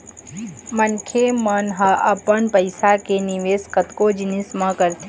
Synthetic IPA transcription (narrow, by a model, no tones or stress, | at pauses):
mənkʰemənɦəʔɐpənpəɪsakeniʋeːskət̪kod͡ʒɪnɪsmãkəɾt̪ʰe